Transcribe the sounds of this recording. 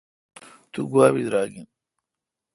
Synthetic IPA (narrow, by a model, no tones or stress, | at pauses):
t̪uɡuaːβid̪ɾaːɡin